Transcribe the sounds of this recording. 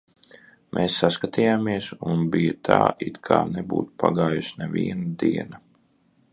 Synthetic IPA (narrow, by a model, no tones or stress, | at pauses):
mʔeːsːaskat̪ijaːmiɛsunbijat̪ʰa̰ːʔit̪kʰa̰ːnɛbṵːt̪pʰaɡaːjusnɛvʲiɛnad̪iɛna